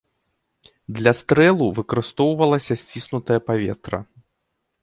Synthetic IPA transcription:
d̪lʲɐst̪ɾɛlˠuvɨkɐɾɨst̪ɔwvɐlˠɐsʲɐsʲt͡sʲisnut̪ɐjɐpavʲɛ̰t̪ɾɐ̰

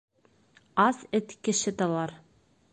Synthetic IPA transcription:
ɑzɘt̪kɘ̆ʃɘt̪ɑlˠɑɾ

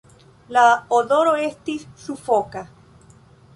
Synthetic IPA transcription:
laoðoɾoest̪isːufoka

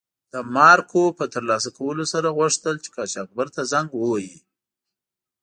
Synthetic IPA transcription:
d̪̥əmɑɾkʰopət̪əɾlɑs̬akawəlosaɾaɣwʊʂt̪əlt͡ʃe̥kɑt͡ʃɑk̚baɾt̪azaŋɡwəwaji

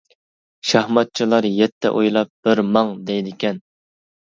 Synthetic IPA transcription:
ʃɑhmɑt̪̚t͡ʃʰilˠɑɾjɛt̪ʰːɛ̰ʔojlˠɑp̚b̥ɪɾmɑŋd̪ɛjd̪ɪkʲɛn

